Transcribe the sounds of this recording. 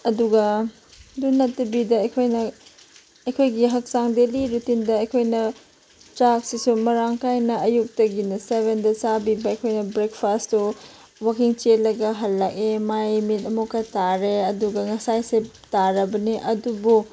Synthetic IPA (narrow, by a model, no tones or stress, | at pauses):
ɐduɡɐ | dunːɐtːɐbidɐɐjkʰojnɐ | ɐjkʰojɡiɦɐk̚saŋdeliɾutindɐɐjkʰojnɐ | t͡ʃak̚sisumɐɾaŋkajnɐɐjuk̚tɐɡinɐseβendɐsabibɐɐjkʰojnɐbɾekpʰasto | wakiŋt͡ʃetlːɐɡɐɦɐlːɐk̚emajmit̚ɐmukɐtaɾeɐduɡɐŋɐsajsep | taɾɐbɐniʔɐdubu